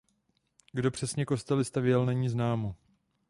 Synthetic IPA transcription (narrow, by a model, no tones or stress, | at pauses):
ɡdo̞pr̥ɛsɲɛko̞st̪ɛlɪst̪avjɛlnɛɲiːznaːmo